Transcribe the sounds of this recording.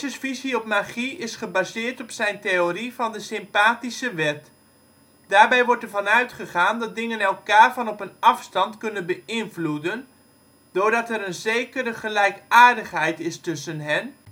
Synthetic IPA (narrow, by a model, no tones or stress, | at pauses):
əsfiziɔp̚maχiɪsχəbaːzɪːɹtɔpsɛjntejoːrivɑndəsɪmpaːtisəʋɛt | d̥aːɹbɛjʋɔɹtɛɹvɑnœɥtχəχaːndɑt̚dɪŋənɛlˠkaːɹvɑnɔpənɑfstɑntkɵnənbəɪnvludən | d̥ʊːɹdɑtɛɾənzejkəɾəχəlɛjkaːɹdəχɦɛjtɪstɵsənɦɛn